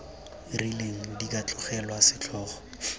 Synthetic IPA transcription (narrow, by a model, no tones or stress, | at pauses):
rileŋ̩dik̬ʼat͡ɬʼʊχɛlwasɪt͡ɬʰɔːχɔ̥